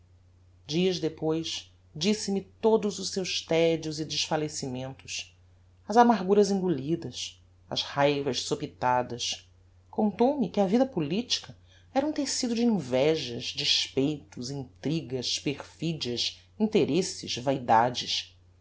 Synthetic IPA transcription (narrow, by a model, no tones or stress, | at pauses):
d͡ʒiɐzd̪epojʃ | d͡ʒisɪmit̪od̪ʊzʊʃsewʃt̪ɛd͡ʒiʊzɪd͡ʒɪʃfalesimẽnt̪ʊ̥s | ɐzamaɾɡuɾɐzĩŋɡulid̪ɐs | ɐ̰zhajvɐʃsopit̪ad̪ɐs | kõnt̪owmɪkɪɐvid̪ɐpulit͡ʃi̥kɐ | ɛɾɐũt̪esid̪ʊd͡ʒɪĩvɛʒɐzd͡ʒiʃpejt̪ʊzĩnt̪ɾiɡɐʃpeχfid͡ʒiɐʃ | ĩnt̪eɾesɪ̰ʃvajd̪ad͡ʒɪʃ